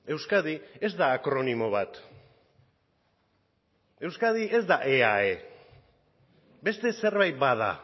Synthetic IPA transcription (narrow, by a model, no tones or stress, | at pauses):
e̞wskaðie̞zd̪aːkɾonimo̞βat̪ | e̞wskað̞iʔe̞zd̪aʔeae | be̞st̪e̞se̞ɾβajt̪̚baða̰